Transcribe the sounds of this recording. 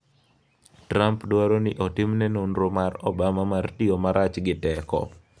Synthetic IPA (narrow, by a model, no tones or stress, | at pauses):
tɾampdwaɾonɪʔɔtɪmnɛnonɾomarɔ̰bamamartiomaɾat͡ʃɡɪtɛkɔ̰